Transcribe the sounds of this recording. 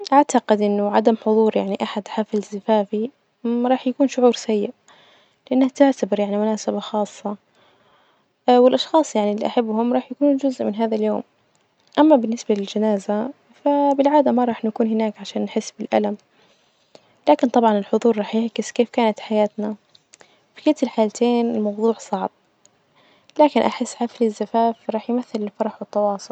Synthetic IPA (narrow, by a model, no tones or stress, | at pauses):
ʔaʕt̪aqɪd̪ʔɪnːʊʕad̪amħʊðˤuːɾjaʕniʔaħad̪ħaːfɪlzɪfaːfi | ɾˤɑːħjakuːnʃʊʕuːɾsajːɪʔ | lɪʔanːaht̪aʕt̪abɪɾjaʕnimʊnaːsabaxɑːsˤːɑ | wɪlʔɑʃxɑːsˤjaʕnilːḭʔaħabːhʊmɾˤɑːħjakuːnuːnd͡ʒʊzʔmɪnɦaːðaljoːm | ʔamːabɪnːɪsbalɪld͡ʒanaːza | fabɪlʕaːd̪amaɾˤɑːħnakuːnɦɪnaːkʕaʃaːnːħɪsːbɪlʔa̰lam | laːkɪnt̪ˤɑbʕɑnɪlħʊðˤuːɾˤɾˤɑːħjɪʕkɪskeːfkaːnat̪ħajaːt̪na | fi̥kɪt̪ɪlħaːlat̪ʰeːnɪlmɑwðˤuːʕsˤɑʕb̥̚ | laːkɪnʔaħɪsːʕaflizːafaːfɾˤɑːħjmaθːɪlɪlfɑɾˤɑħwɪt̪ːɑwɑːsˤʊl